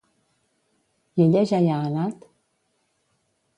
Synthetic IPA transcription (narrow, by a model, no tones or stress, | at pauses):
jɛlɛʒajaːnat̪